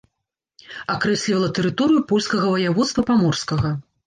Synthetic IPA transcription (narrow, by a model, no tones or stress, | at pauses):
akɾɛsʲlʲivɐlˠɐt̪ɛɾɨt̪ɔɾɨjupɔlʲskɐɣɐvɐjavɔt̪st̪vɐpamɔrskɐɣɐ